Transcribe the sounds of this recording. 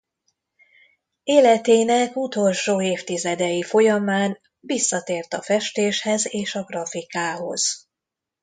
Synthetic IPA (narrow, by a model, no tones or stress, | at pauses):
eːlɛt̪eːnɛkut̪o̞lʃoːeːft̪izɛd̪ɛjifo̞jɒmaːn | visːɒt̪eːrt̪ɒfɛʃt̪eːʃhɛzeːʃɒɡrɒfikaːɦo̞̰z̥